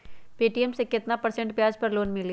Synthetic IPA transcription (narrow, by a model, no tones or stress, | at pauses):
piːʈiemsekɪt̪napɐɾsẽɳʈpjaːd͡ʒpɐɾloːnmɪl